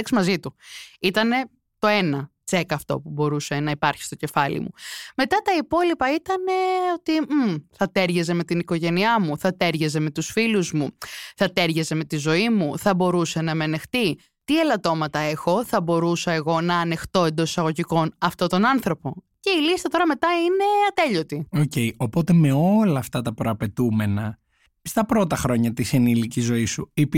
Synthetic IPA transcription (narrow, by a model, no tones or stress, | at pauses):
ɐksmɐzit̪uit̪ɐne̞ | t̪o̞enɐ | t͡se̞kɐːft̪o̰pubo̞ɾuse̞nɐipɐɾçi̥st̪o̞ce̞fɐlḭmṵme̞t̪ɐt̪ɐipo̞lipɐit̪ɐne̞o̞t̪iθɐt̪e̞ɾʝɐze̞me̞t̪iniko̞ʝe̞niɐmuθɐt̪e̞ɾʝɐze̞me̞t̪usfiluzmuθɐt̪e̞ɾʝɐze̞me̞t̪izo̞imuθɐbo̞ɾusenɐmeɐne̞xt̪i | t̪ielɐt̪o̞mɐt̪ɐe̞xo̞θɐbo̞ɾusɐeɣo̞nɐːne̞xt̪o̞e̞nd̪o̞ssɐɣo̞ʝiko̞nɐft̪ot̪o̞nɐnθɾo̞po̞ | ce̞ilist̪ɐt̪o̞ɾɐme̞t̪ɐine̞ɐt̪e̞ʎo̞t̪ioce̞io̞po̞t̪e̞me̞o̞lɐːft̪ɐt̪ɐpɾoɐpe̞t̪ume̞nɐ | st̪ɐpɾo̞t̪ɐxɾo̞ɲɐt̪isinilicizo̞isuip